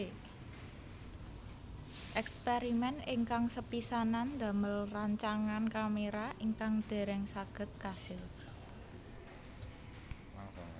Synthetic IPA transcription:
ʔɛkspeɾimɛniŋkaŋsəpisanand̪a̤məlraɲt͡ʃaŋankameɾaʔiŋkaŋd̪̥e̤ɾɛŋsaɡ̥ə̤t̪̚kasɪl

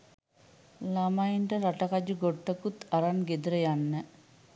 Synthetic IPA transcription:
lamajiɳʈəɾaʈɐkad͡ʒuɡoʈːəkut̪aɾanɡed̪uɾəjanːə

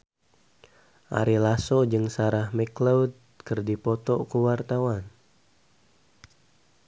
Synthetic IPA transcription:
ʔa̰ɾilasɔd͡ʒɨŋsaɾahmɛklawd̚ | kɨrdipɔt̪ɔkuwart̪awan

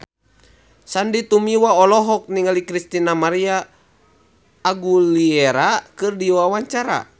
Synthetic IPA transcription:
sandit̪umiwaɔlɔɦɔk̚niŋalikɾist̪inamaɾia | ɡuliɛɾakɨrdiwawaɲt͡ʃaɾa̰

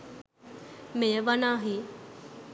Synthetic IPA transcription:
mẽʋənaːɦi

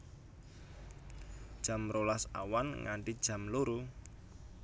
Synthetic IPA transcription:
d̥ʒ̥a̤mɾolasa̰wanŋa̰ɳʈid̥ʒ̥ä̤mloɾu

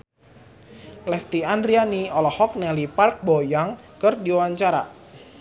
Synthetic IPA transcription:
lɛst̪iandrianiɔlɔhɔk̚nɛlipark̚bojaŋ | kərdiwaɲt͡ʃaɾa̰

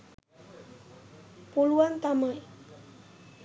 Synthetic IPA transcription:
puluant̪amaj

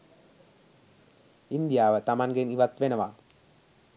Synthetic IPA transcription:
ind̪ijaːʋət̪amaŋɡeniʋat̪ʋenəʋa

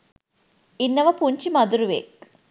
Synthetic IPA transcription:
inːɐʋɐpuɲt͡ʃimɐd̪uɾuʋḛk

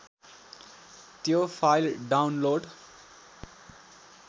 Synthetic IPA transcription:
t̪joːfʰaɪlɖaʊnloːɖ

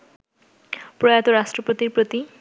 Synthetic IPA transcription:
pɾojat̪oɾaʃʈɾopot̪iɾpɾot̪i

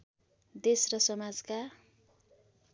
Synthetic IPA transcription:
d̪esrʌsʌmad͡zka

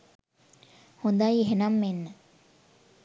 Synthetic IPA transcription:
hund̪ajiɦenɐmːenːe

